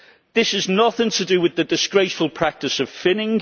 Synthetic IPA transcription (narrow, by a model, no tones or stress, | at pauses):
ðɪsɪznʌθɪ̃ŋtʰədəwɪðədɪsɡ̥ɹeɪsfəlˠpʰɹ̥ak̚tɪsəv̥fɪnɪ̃ŋ